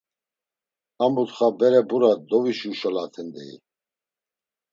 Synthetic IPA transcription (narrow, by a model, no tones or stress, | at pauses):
amut̪χabɛɾɛbuɾad̪ɔviʃuʃɔlat̪ʰɛnd̪ɛ̰ḭ